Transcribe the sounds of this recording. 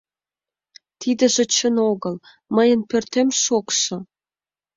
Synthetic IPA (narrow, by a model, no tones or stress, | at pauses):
t̪ʰid̪ə̆ʒĕt͡ɕənoɣəl | məjənpørt̪emʃokʃə̆